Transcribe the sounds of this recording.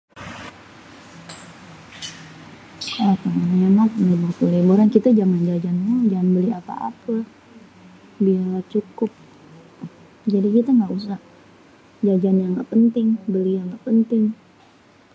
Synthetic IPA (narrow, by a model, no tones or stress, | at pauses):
at̪aŋanenak̚leburt̪ulebuɾankit̪ad͡ʒaŋand͡ʒad͡ʒanmud͡ʒaŋanbəliapa̰ʔa̰pa | bialat͡ʃukʊp̚ | d͡ʒadikit̪aŋɡaʔusah | d͡ʒad͡ʒanjaŋɡa̰ʔpənt̪ɪŋbəlijaŋɡaʔpənt̪ɪŋ